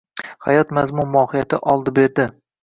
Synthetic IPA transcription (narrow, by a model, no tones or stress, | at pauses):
hajɒt̪mazmʊnmɒːhɪjat̪ʰɪʔɒlˠd̪ɪbe̞ɾd̪ɪ